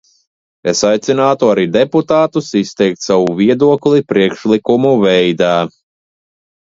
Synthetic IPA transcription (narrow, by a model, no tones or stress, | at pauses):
esajt̪sinaːt̪uaɾid̪ɛput̪aːt̪usist̪ɛjk̚t̪sawuviɛd̪uɔklˠipɾiɛkʃlˠikumuvɛjd̪aː